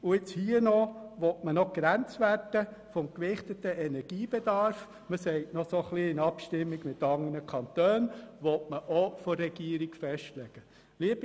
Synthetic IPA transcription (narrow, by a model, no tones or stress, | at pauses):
ʊɪt͡shiːənɔʋɔtmənɔkɾænt͡sʋærtəfɔmkʋɪχt̪ətəɛnɛɾɡ̥iːb̥ɛd̥ɑɾf | məsɛɪtnɔsoχliːɪnɑpʃtɪmːiɡmɪt̪ɑŋənəkʰɑntøːnʋɔtməʔɔfɔɾːɛɡ̥iːɾikfɛʃtlɛɡ̥ə | liəb̥